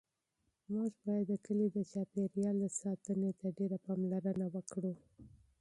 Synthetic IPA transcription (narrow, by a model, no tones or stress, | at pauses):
mɑʒbɑjad̪ːəkəlid̪ət͡ʃɑpeɾjɑld̪əsɑt̪ənet̪aɖeɾapɑmlaɾənawəkɽu